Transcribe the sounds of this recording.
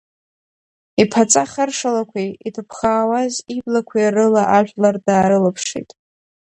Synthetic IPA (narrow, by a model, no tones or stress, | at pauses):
ipʰat͡sʼaχərʂalakʷʰiitʰɨpʰχaːwaziblakʷʰiarɨlaʔaʒᶣʷlardaːɾɨlɨpʰʂḭtʼ